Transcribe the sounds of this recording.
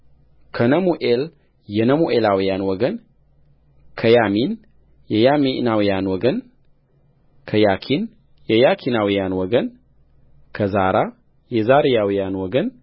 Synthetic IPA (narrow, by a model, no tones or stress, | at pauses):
kʰənəmuʔel | jɛnəmuʔelawijanwɔɡən | kʰəjamin | jɛjaminawijanwɔɡən | kʰəjakʰin | jɛjakʰinawijanwɔɡən | kʰəzaɾa | jɛzaɾijawijanwɔɡən